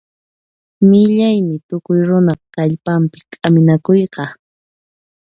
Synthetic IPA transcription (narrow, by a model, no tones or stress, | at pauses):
mɪʎajmɪt̪ʊkʊjɾʊnɑχqɑʎpampɪ̥kʼamɪnakʊjqɑ